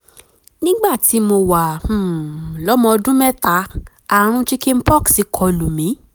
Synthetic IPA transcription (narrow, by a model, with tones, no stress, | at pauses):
nĩ˦ɡ͡ba˦˨ti˨˦mo˧wa˨ũ˨lɔ˨˦mɔ̃˧ɔ˧dũ˦mɛ˦ta˨˦ | a˦˨ɾ̃ũ˧˦t͡ʃi˦ki˦m̩˦pɔ˦˨ksi˧kʰɔ˨˧lu˨mĩ˨˦